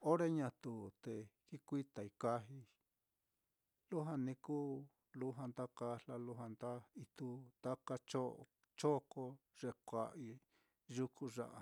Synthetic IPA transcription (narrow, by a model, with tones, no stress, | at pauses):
o˦ɾe˦ɲã˧t̪u˧t̪e˨ki˦kʷi˦t̪a˨i˧ka˦ɦi˧ | lu˦ɦa˧nĩ˧kuː˦ | lu˦ɦa˧nd̪a˦ka˧la˧lu˧˦ɦa˧nd̪a˦i˧t̪u˧t̪a˦ka˧t͡ʃo˦˧ | t͡ʃo˦ko˧ʐe˧kʷa̰˨ʔi˧ | ʒu˧kʰu˧ʐa̰˧ʔa˧